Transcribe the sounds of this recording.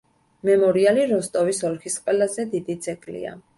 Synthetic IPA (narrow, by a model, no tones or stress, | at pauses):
mɛmɔɾialiɾɔst̪ʼɔvisɔlkʰisqʼwɛlazɛd̪id̪it̪sʰʼɛkʼlḭa̰